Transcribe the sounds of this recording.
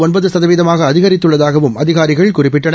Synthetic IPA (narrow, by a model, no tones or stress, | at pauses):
ɔnbɐðɯsɐðɐʋiːðɐmaːɣɐːðɪɣɐɾɪt̪ːɯɭːɐðaːɣɐʋɯmɐðɪɣaːɾɪɣɐɭkʊrɪpːɪʈːɐɳ